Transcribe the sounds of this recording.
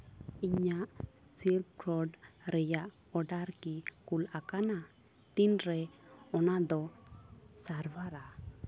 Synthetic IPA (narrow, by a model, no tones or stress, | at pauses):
iɲaʔsilb̚kɾɔɖɾɛjaʔ | ɔɖaɾkikulakana | t̪inɾɛɔnad̪ɔ | saɾbaɾa